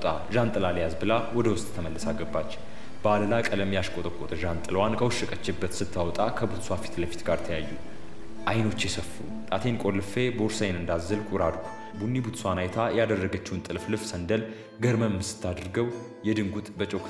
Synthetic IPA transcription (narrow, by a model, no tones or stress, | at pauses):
t̪ʼa | ʒant̪ʼɨlaljazbɨlawɔd̪əwʊst̪ʼt̪ʰəməlːəsaɡːəbːat͡ʃː | b̥əaləlakʼələmjaʃkʼot̪ʼəkʼːot̪ʰʼʒant̪ʼɨlwankʰəwʃːɨkʼət͡ʃːɪbːət̪sɨt̪ʰːawɔt̪ʼakʰəbut̪swafi̥t̪ləfi̥t̪ɡaɾt̪ʰəjajːu | ʔajno̞t͡ʃːjɛsəfːu | t̪ʼat̪ʰenkʼo̞lːɨfe̞boɾsajnɨnd̪azːɨlkʼuɾad̪u | bunːibut̪swanajt̪ʰajad̪ərːəɡət͡ʃːɪwunt̪ʼɨlflɨfsənd̪əl | ɡəɾməmmsɨ̥t̪ʰːad̪ɨɾɡəw | jɛd̪ɨŋɡut̪ʼbət͡ʃʼokʰ